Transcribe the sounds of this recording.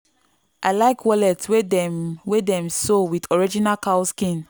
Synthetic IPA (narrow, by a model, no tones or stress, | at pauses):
ʔaɪlaɪkʰwɔlɛtswedɛwedɛ̃msowidɔɹid͡ʒinalkaskĩn